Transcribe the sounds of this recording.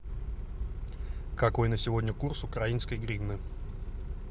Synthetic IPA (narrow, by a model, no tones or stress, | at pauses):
kako̞jnəsʲɪvodʲnʲəkursʊkɾainskəjɡɾʲiɡnɨ